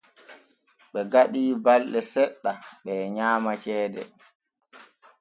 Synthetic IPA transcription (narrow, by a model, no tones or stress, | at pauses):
ɓɛɡaɗiːbalɗɛsɛɗːaɓɛɲaːmat͡ʃɛːdɛ̰